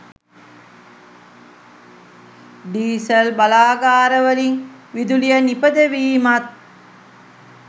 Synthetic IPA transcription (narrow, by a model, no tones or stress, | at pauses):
ɖiːsɐlbɐlaːɡaːɾəʋəliŋ | ʋid̪ulijənipəd̪əʋiːmat̪̚